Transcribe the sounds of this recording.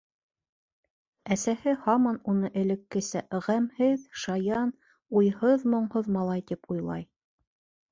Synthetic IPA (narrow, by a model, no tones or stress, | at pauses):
æsæhɘhɑmɑnunɤʔɘ̆lɘ̆kːɘ̆sæʁæmhɘðʃɑjɑn | ujhɤðmŏɴhoðmɑlˠɑjt̪ipujlˠɑ̰j